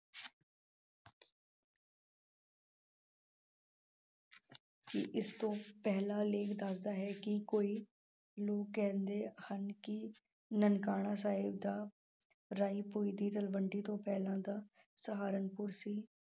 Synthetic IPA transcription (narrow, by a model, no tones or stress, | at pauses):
kḭʔɪst̪õːpɛɦlaːleːkd̪aːsd̪aːɦɛːkɪkoːiː | loːkːɛ̃ːnd̪eːhənkɪ | nənkaːɽ̃aːsaːɪb̚d̪aː | ɾaːiːpoːiːd̪iːt̪əlʋəɳɖiːt̪õːpɛːlãːd̪aː | səɦaːɾənpʊɾsiː